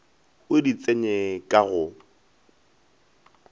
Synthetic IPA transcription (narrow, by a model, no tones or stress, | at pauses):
ʊdit͡sʼeɲɛkʼaɣʊ